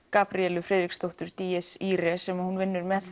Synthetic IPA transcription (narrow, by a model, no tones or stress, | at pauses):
kaːpɾiɛlʏfɾɛːðɾikst̪owht̪ʏɾ̥t̪iɛsiːɾɛsɛmahunvɪnːʏɾmɛθ